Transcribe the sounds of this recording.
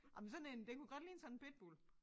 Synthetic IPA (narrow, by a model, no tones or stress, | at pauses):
ʔɑmnsɒ̽nend̥ekʰuɡ̥ɒd̥liːnsɒn̩b̥ed̥̚b̥ol